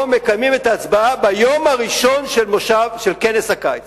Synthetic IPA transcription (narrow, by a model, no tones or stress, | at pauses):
me̞kajmime̞t̪aːt͡sbaabajo̞maʁiʃo̞nʃelmoʃavʃelke̞neshakajt͡s